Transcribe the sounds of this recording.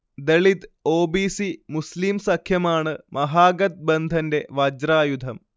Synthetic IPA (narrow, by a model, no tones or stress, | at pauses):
d̪eɭid̪o̞ːbiːsimuslimsɐkʰjɐmaːɳɨmɐɦaːɡɐt̪̚bend̪ʱɐnde̞ʋɐd͡ʑraːjud̪ʱɐm